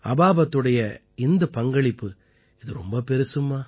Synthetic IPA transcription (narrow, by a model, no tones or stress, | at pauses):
ɐbaːbɐt̪ːɯɽɐjɐ | ɪnd̪ɐpɐŋɡɐɭɪpːɯ | ɪðɯɾɔ̰mbɐpɛɾɯsɯmːaː